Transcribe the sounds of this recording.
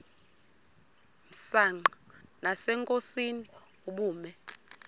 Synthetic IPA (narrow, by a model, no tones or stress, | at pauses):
m̩saŋ͡ǃanasɛŋkʼosini | uɓuːmɛ